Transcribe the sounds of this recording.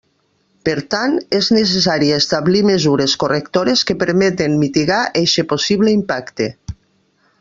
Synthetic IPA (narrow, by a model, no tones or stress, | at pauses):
peɾt̪aneznes̬es̬aɾiest̪aβlimezuɾeskorekt̪oɾeskepeɾmet̪emmit̪iɣaʔeʃeposiβleimpakt̪e